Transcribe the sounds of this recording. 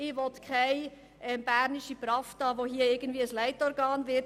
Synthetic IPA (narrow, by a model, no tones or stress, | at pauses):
ɪʋɔtkʰaɪ | ʔɛmb̥æɾniʃipɾɑftɑːʋoɦiəɪɡəndviːəəslæɪtɔɾɡɑːnvɪt